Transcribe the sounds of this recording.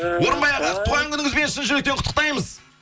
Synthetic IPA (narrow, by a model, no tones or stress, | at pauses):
wo̞ɾənbɑjɑʁɑqt̪ʰuʁɑŋkʲʏnɪŋɪzbe̞nʃɪnʒʏɾek̚t̪eqʰʊt̪ːə̥qt̪ɑjməz